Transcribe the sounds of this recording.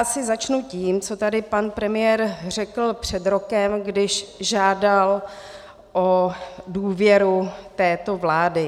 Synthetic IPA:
sɪzat͡ʃnuciːmt͡so̞t̪adɪpanpɾɛmɪjɛːɾr̝ɛkl̩pr̝̥ɛd̪ɾo̞kɛmɡdɪʃʒaːdal | ʔoduːvjɛɾut̪ɛːt̪o̞vlaːdɪ

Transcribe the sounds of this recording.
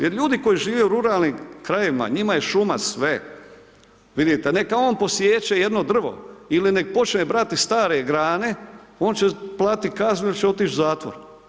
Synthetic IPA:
jeɾʎuːd̪iko̞jiʒiːʋe̞uɾuɾaːlnimkɾajema̰ɲimaje̞ʃumasʋe | ʋid̪it̪ene̞kao̞ːnpo̞sjeːt͡ʃeje̞d̪no̞d̪r̩ʋo̞̰iline̞k̚pot͡ʃnebɾat̪ist̪aːɾeɡɾaːne̞o̞ːnt͡ʃeplˠaːt̪ikazɲuilit͡ɕeo̞t̪iːt͡ʃzaːt̪ʋoɾ

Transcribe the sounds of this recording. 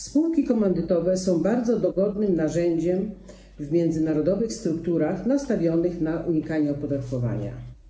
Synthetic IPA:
spuwkʲikɔmɛnd̪ɘt̪ɔvɛsɔ̃w̃baɾd̪zɔd̪ɔɡɔd̪nɘmnaʐɛɲd͡ʑɛm | vmʲjɛnd̪zɘnaɾɔd̪ɔvɘxst̪ɾukt̪uɾaxnast̪avʲjɔnɘxnaʔuɲikaɲɛɔpɔd̪at̪kɔva̰ɲa̰

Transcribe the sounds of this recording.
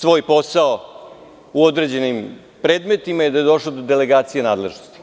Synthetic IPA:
sʋo̞ːjpo̞sao | uod̪ɾed͡ʑe̞nim | pɾeːd̪met̪imajed̪ajed̪o̞ʃlod̪od̪ele̞ɡaːt̪sijenaːd̪le̞ʒnost̪i̥

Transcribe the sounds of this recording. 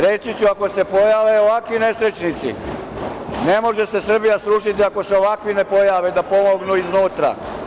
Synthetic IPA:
ɾesit͡ɕuako̞se̞po̞jaːʋe̞oʋakʋine̞sɾe̞t͡ɕnit̪sḭ | ne̞mo̞ʒe̞se̞sr̩bijasɾuːʃit̪iako̞seo̞ʋakʋine̞po̞jaʋed̪apo̞mo̞ɡnuiznuːt̪ɾa̰

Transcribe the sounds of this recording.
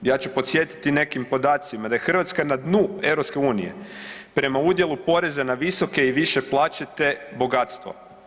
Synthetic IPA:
jaːt͡ɕupot̪sje̞t̪i̥t̪ine̞kimpo̞d̪aːt̪simad̪aje̞xr̩ʋat̪skanad̪nue̞wɾopske̞uːnḭje̞̰pɾe̞maud̪je̞lupo̞ɾe̞zanaʋiso̞ke̞iʋiʃe̞plˠaːt͡ɕet̪e̞bo̞ɡat̪st̪ʋo̰

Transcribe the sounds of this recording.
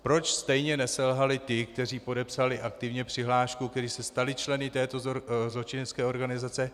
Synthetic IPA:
pɾo̞t͡ʃst̪ɛjɲɛnɛsɛlɦalɪt̪ɪkt̪ɛriːpo̞dɛpsalɪʔakt̪ɪvɲɛpr̥ɪɦlaːʃkuk̚t̪ɛɾisɛst̪alɪt͡ʃlɛnɪt̪ɛːt̪o̞zlo̞t͡ʃɪnɛt͡skɛːo̞ɾɡanɪzat͡sɛ

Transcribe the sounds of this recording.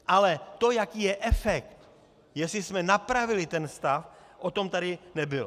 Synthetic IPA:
ʔalɛt̪ojakiːjɛʔɛfɛkt̪ | jɛsɪsmɛnapɾavɪlɪt̪ɛnst̪af | ʔot̪omt̪adɪnɛbɪl

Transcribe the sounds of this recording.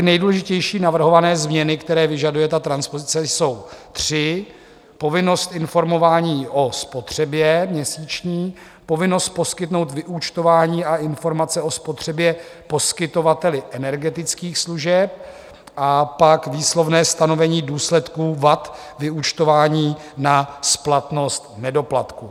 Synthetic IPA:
ɪnɛjduːlɛʒɪcɛjʃiːnavr̩ɦo̞vanɛːzmɲɛnɪkt̪ɛɾɛːvɪʒadujɛt̪at̪ɾanspozɪt͡sɛso̞wt̪r̝̥ɪ | po̞vɪno̞st̪ɪnfo̞ɾmo̞vaːɲiːʔo̞spo̞t̪r̝̥ɛbjɛmɲɛsiːt͡ʃɲiː | po̞vɪno̞st̪̚po̞skɪt̪no̞wt̪vɪʔut͡ʃt̪o̞vaːɲiːaʔɪnfo̞ɾmat͡sɛʔo̞spo̞t̪r̝̥ɛbjɛpo̞skɪt̪o̞vat̪ɛlɪʔɛnɛɾɡɛt̪ɪt͡skiːxsluʒɛp̚ | ʔapakviːslo̞vnɛːst̪ano̞vɛɲiːduːslɛt̪kuːvat̪ | vɪut͡ʃt̪o̞vaːɲiː | nasplat̪no̞st̪nɛdo̞plat̪ku

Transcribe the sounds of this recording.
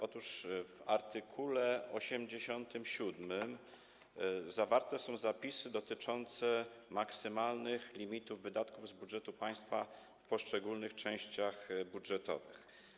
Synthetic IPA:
ʔɔt̪uʂvaɾt̪ɘkʰulɛʔɔɕɛmd͡ʑeɕɔnt̪ɘmɕud̪mɘm | zavaɾt̪ɛsɔ̃w̃zapʲisɘd̪ɔt̪ɘt͡ʂɔnt̪sɛmaksɘmalnɘxlʲimʲit̪uvːɘd̪at̪kuvzbudʐɛt̪upaj̃st̪fa | fpɔʂt͡ʂɛɡulnɘxt͡ʂɛ̃w̃ɕt͡ɕaxbudʐɛt̪ɔ̰vɘ̰x

